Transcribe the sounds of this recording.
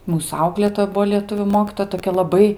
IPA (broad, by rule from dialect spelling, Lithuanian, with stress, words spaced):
ˈmuːs ˈɐʊklʲeːtoːjɛ ˈbuɔ lʲiɛˈtʊʋʲuː ˈmoːkʲiːtoːjɛ toːˈkʲɛ lˠɐˈbɐɪ